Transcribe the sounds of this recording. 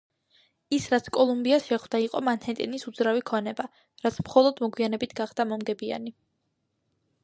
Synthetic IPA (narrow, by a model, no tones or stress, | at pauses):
isɾat̪sʰkʼɔlˠumbiasʃɛχwd̪aiqʼɔmanhɛt̪ʼɛnisud̪zɾavikʰɔnɛba | ɾat̪sʰmχɔlˠɔd̪mɔɡwianɛbit̪ʰɡaχd̪amɔmɡɛbia̰ni